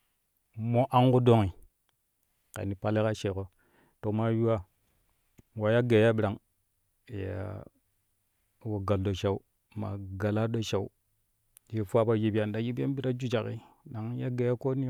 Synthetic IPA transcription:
mo˦ʔa˦ŋku˦do˦ŋi˨ | ka̰˨ni˨pa˦le˦ka˦ʃe˨ko˨ | to˨ma˦ju˦wa˦ | wa˨ja˦ɡe˨ja˦ɓi˦ɾa˨ŋ | ja̰˨ | wo˨ɡa˨ldo˨ʃa˦u˦ | ma̰˨ɡa˨la˦ɗo˦ʃa˨u˦ | je˨fu˦a˦ba˨ji˨bja˨nda˨ji˦be˦n˦bi˦ɾa˦d͡ʒu˦d͡ʒa˨kḭ˦na˨ŋ˦ja˦ɡe˨ja˦ko˦ni˦

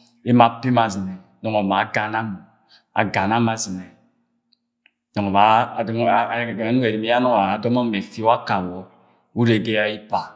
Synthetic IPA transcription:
e˦ma˨pe˦ma˨zi˨nɛ˨ | nɔ˨ŋɔ˨ma˨˦ɡa˨na˦m˨ | a̰˨ɡa˨na˦ma˨zi˨nɛ˨ | dɔ˨ŋɔ˨βa˨dɔ˦˨ɡa˨nu˦e˨ɾi˨me˦a˦nɔ˦ŋː˨dɔ˦mɔ˦me˨fi˦a˦ka˨wɔ˨ | u˦ɾe˨ɡe˦ja˦i˦pa˨

